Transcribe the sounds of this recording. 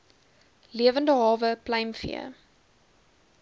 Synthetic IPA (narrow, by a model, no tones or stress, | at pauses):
liəvəndəɦɑːvəplɐjmfḭə̰